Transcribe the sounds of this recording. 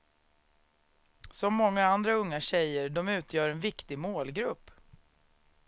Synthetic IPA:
sɔmːɔŋːaand̪ɾaɵŋːaɕɛjəɖɔmʉ̟ːt̪ʰjœːɾɛnvɪkt̪ɪmoːlɡɾɵpː

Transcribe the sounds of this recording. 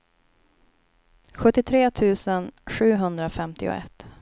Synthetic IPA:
ɧɵt̪ːɪt̪ʰɾeːt̪ʰʉ̟ːsənɧʉ̟ːɦɵnd̪ɾafɛmt̪ɪʊ̰ɛ̰t̪ː

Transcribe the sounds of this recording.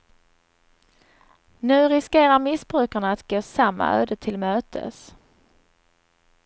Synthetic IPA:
nʉ̟ːɾɪskeːɾaɾmɪsbɾʉ̟ːkaɳaːt̪ɡoːsamːa̰ø̰ːd̪ət̪ʰɪlmøːt̪ʰə̰s

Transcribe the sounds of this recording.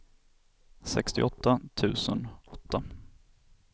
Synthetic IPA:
sɛkst̪ɪ̰ʔɔt̪ːat̪ʰʉ̟ːsənɔt̪ːa

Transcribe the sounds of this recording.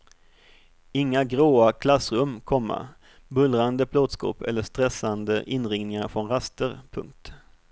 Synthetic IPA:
ɪŋːaɡɾoːakʰlasɾɵmːkʰɔmːa̰ | bɵlɾand̪əbloːd̪skɔ̰ːpʰɛ̰lːəʂt̪ɾɛsand̪əʔɪnɾɪŋnɪŋaɾfɾɔnɾast̪əɾpʰɵ̰ŋk̚t̪

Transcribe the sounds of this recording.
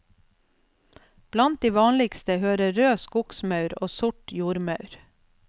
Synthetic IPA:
b̥lɑnt̪̚d̪iːʋɑːnlɪkst̪əhøːɾəɾøːskʊksmɑʉɾo̰ːsʊʈjuːɾmɑʉɾ

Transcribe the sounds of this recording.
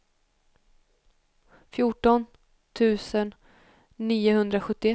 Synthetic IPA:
fjuʈɔn | t̪ʰʉ̟ːsənː | iːʊhɵnd̪ɾaɧɵt̪ːɪɛ

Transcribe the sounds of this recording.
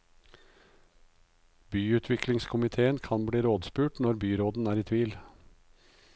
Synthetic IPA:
byːʉːt̪ʰʋɪklɪŋskʰʊmɪt̪ʰeːənkʰɑnbɽiːɾoːd̪spʉːʈnɔɾbyːɾoːd̪n̩æːɾiːt̪ʰʋiːl

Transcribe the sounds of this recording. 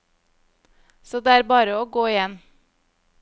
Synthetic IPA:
soːd̪eːæːɾbɑːɾəoːɡoːɪjɛn

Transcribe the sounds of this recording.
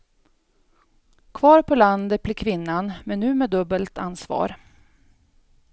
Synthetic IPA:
kʰvɑːɾpʰɔland̪ət̪̚bliːkʰvɪnːanmɛnːʉ̟ːmɛːd̪ɵbːəlt̪a̰nsvɑ̰ːɾ

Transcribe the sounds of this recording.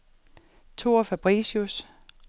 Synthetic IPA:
t͡sʰo̝ːfæb̥ʁiːɕus

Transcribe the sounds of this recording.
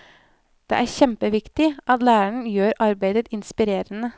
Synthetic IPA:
d̪̥ḛːʔæːɾçɛmpəʋɪkt̪ɪʔɑt̪læːɾæɳ̩jøːɾʔɑɾbæɪd̪ət̪ɪnspɪɾeːɾənə

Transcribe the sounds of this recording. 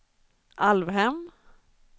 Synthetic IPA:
ʔalvɦɛm

